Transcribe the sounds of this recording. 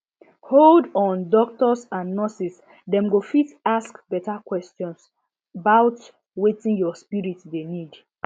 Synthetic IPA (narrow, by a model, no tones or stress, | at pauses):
holdɔ̃ndɔk̚tɔsãnːɔsis | dɛ̃mɡofitaskbɛtakwɛstjɔ̃ns | abaʊt | wetĩnjɔspiɹitdenid